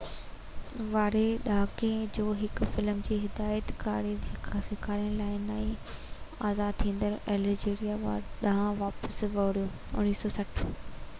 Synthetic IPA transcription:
ʋaːɾeɗaːkẽd͡ʑoːɦɪkfɪlmd͡ʑiːɦɪd̪aːjət̪ka̰ːɾed͡ʑekʰasɪkʰaːɾinlaːɪnaːi | aːzaːd̪̚t̪ʰĩːn̆d̪əɾɛːlɪd͡ʑeːɾijaʋaɾɗaɦʋaːpəsʋɐʊɽijoː | ʊ̰niːsɔːsɐʈʰ

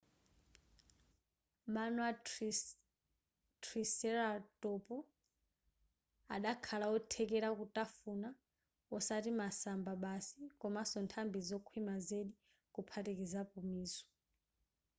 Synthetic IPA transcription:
manwa | tʰrisɛɾatʼɔpu | a̰ɗakʰalaɔtʰɛkɛɾakutʼafuna | ɔsatimasambaɓasikɔmasɔntʰambizɔkʰwimazeɗi | kupʰatikizapumiːsɔ̥

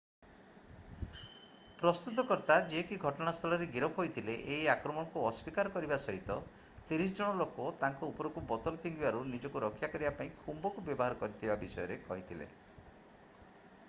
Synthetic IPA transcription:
pɾɔst̪ut̪̬ɔkɔɾt̪ad͡ʒiɦekiɡʱɔʈɔɽ̃ast̪ʰɔlɔɾeɡiɾɔpʰɦojt̪ʰileʔeɦiakɾɔmɔɽ̃ɔkuɔswikaɾɔkɔɾibasɔɦit̪ɔ | t̪iɾis̬ɔd͡ʒɔɽ̃ɔlokot̪aŋkɔupɔɾɔkubɔt̪ɔlɔpʰiŋɡibaɾunid͡ʒɔkuɾɔkʰːjakɔɾibapaĩkʰumbɔkubjɔbɔɦaɾɔkɔɾit̪ʰibabisɔjɔɾekɔɦit̪ʰilḛ

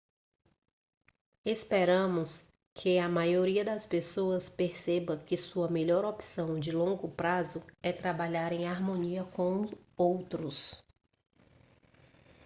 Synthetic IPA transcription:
espeɾɐ̃mʊs | kʰɪɐmajoɾiɐd̪ɐspesoɐspeɾsebɐ̃kɪsuɐmeʎɔɾopsɐ̃w̃d͡ʒɪlõŋɡʊpɾazʊɛt̪ɾabaʎaɾẽj̃aɾmõniɐkõw̃owt̪ɾʊs

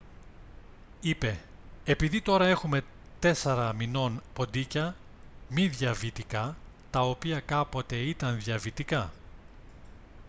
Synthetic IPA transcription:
ipe̞ːpiðit̪o̞ɾɐe̞xume̞ | t̪e̞seɾɐmino̞npo̞nd̪icɐ | miðʝɐvit̪ikɐ | t̪ɐo̞piɐkɐpo̞t̪e̞it̪ɐnðjɐvit̪ikɐ

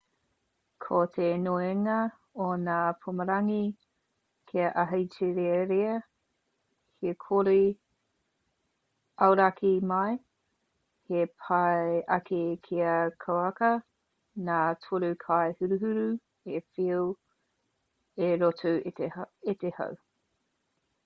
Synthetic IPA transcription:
kʰot̪ʰenoeŋɐ | onaːpʰuməɾɐŋi | kʰiɐʔɐɦɐjtʰiɾeɾeɐ | hekʰoɾi | ɐwɾakʰimɐj | hepʰaeʔɐkekʰiɐkʰawɐkɐ | naːtʰoɾukʰaehʉɾuɦʉɾu | efiu | eɾotʰueteetehɐ̰w

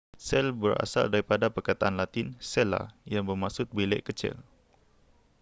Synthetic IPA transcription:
sɛlbəra̰sa̰ldaɾipadapərkat̪aʔanlat̪ɪnsɛla̰jaŋbərmasʊt̪̚bilɛ̰ʔkət͡ʃɪ̰l

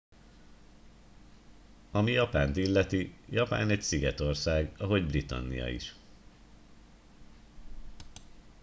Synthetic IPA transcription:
ɒmijɒpaːnt̪ilːɛt̪ijɒpa̰ːnɛcsiɡɛt̪o̞rsaːɡɒɦo̞ɟbrit̪ɒ̰nːḭjɒ̰ḭʃ

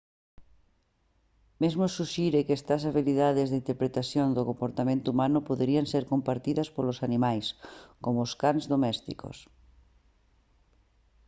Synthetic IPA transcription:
mezmosuʃiɾekest̪ɐs̬aβiliðaðezðeint̪eɾpɾet̪asjond̪okompoɾt̪amẽnt̪ʊuumanʊpoðeɾianseɾkompaɾt̪iðɐspolosanimajskomoskanzðomɛst̪ḭko̰s

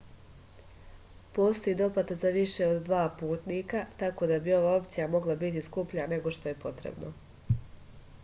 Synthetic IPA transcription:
po̞ːst̪o̞iːd̪o̞pat̪azaʋiʃe̞od̪ːʋaːpuːt̪niːkat̪ako̞d̪abio̞ʋaːo̞p̚t̪sijamo̞ɡlˠabit̪iskupʎane̞ɡo̞ʃt̪o̞je̞po̞t̪ɾḛbno̞

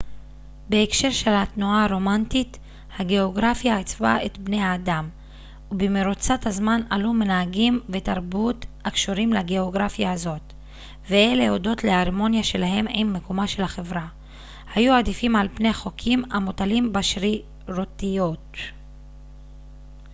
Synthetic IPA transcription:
beːkʃe̞ʁʃe̞latnuaɾo̞mantit | haɡe̞o̞ɡʁafjaet͡sva̰et̪bne̞jaːdam | ubemeɾut͡sathazmana̰lume̞naaɡimve̞t̪aʁbutakʃoɾimlaɡe̞o̞ɡʁafjaːzo̞t̪ | veele̞o̞do̞tleaʁmo̞njaʃe̞laɦe̞mijmːe̞komaʃe̞lhaχe̞vʁa | hajuad̪ifimalpne̞haχo̞kʰimamotalimbaʃʁi | ɾotijo̞t

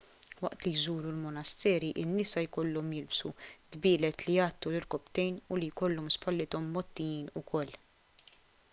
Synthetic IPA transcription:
wɐʔt̪lijzuːɾulmɔnɐst̪ɛːɾiʔɪnːɪsɐjkɔlːɔmjɪlbsud̪bɪːlɛt̪lijɐːt̪ːulɪɾkɔpt̪ɛjnʊlijkɔlːɔmspʰɐlːɪt̪ɔmːɔt̪ːijiːnʊkʰɔlː

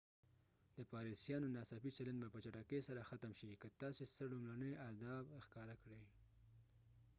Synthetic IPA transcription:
d̪̥əpɑɾisjɑnonɑsɑfit͡ʃaland͡ʒbapət͡ʃaʈakesaɾaxat̪amʃikət̪ɑsesəlumlanəjad̪ɑbxkɑɾakɽej

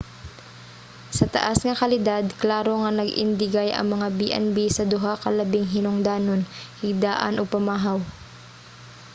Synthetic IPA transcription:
sɐt̪ɐ̰ʔasŋɐkɐlɪd̪ad̪̚klaːɾo̞ŋɐnɐɡʔɪ̰nd̪ɪɡajʔɐ̰ŋmɐŋabiʔɛ̰nbisɐd̪ʊɦakɐlɐbɪŋɦɪnʊŋd̪aːnonhɪɡ̚d̪aːʔɐ̰nʔopɐmaːɦɐw

